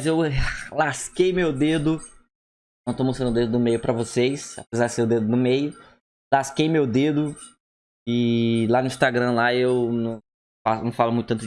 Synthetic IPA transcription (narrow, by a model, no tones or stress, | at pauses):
zewlaskejmewd̪ed̪ʊ | nɐ̃w̃t̪omost̪ɾɐ̃d̪ʊd̪ed̪ʊd̪ʊmejʊpɾɐvosejsa̰pezaɾdd͡ʒɪseɾʊd̪ed̪ʊd̪ʊmejʊ | laskejmewd̪ed̪ʊ | ɪlanʊĩst̪aɡɾɐ̃laewnɐ̃w̃ | fasɐ̃w̃falʊmũt̪ʊt̪ɐ̃t̪ʊ